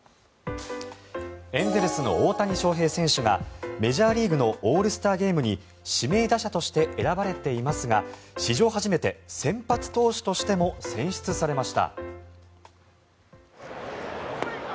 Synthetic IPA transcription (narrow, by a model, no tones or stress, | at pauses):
ẽ̞nd̪eɾɯsɨno̞̰oːt̪aɲ̟iɕo̞ːɦe̞ːsẽ̞ɰ̃ɕɨɡa̰me̞ʑaːɾʲiːɡɯ̟no̞ʔoːɾɯ̟sɨ̥t̪aːɡʲe̞ːmɯ̟ɲ̟i | ɕime̞ːd̪aɕat̪o̞ɕi̥t̪e̞ʔeɾabaɾe̞t̪e̞imasɨɡaɕiʑo̞ːɦaʑime̞t̪e̞sẽ̞mpat͡sɨ̥t̪o̞ːɕi̥t̪o̞ɕi̥t̪e̞mo̞sẽ̞ɰ̃ɕi̥t͡sɨsaɾe̞maɕi̥t̪a̰